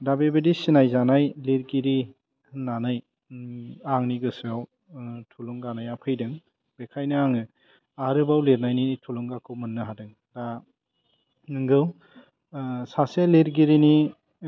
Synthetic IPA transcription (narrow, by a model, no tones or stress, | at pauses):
dabebɯdisinajzanajliɾɡiɾi | hɯnːanaj | aŋniɡɯsɯaw | tʰuluŋɡanajapʰɯjdɯŋ | b̥ekʰajnɯaŋɯ | aɾɯbawleɾnajnitʰuluŋɡakʰɯwmɯnːɯɦadɯŋ | da | ŋɯŋɡɯw | saseliɾɡiɾini